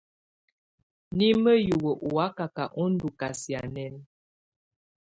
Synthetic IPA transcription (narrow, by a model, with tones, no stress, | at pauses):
ni˦mə˦ju˨ɣə˨ʔu˨a˦ka˨ka˨ʔɔ˦n̩˦du˨ka˨sja˨nɛ˦n